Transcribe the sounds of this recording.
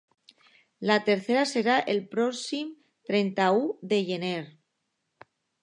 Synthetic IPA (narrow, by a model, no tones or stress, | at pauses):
lat̪eɾθeɾaseɾaʔelpɾoksim | t̪ɾent̪auðeʝeneɾ